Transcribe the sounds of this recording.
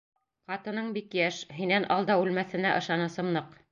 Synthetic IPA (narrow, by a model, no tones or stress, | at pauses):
qɑt̪ɤ̆nɤɴbikjæʃɦinænʔɑlˠd̪ɑʉlmæθɘ̆næʔɤ̆ʃɑnɤ̆sɤ̆mnɤq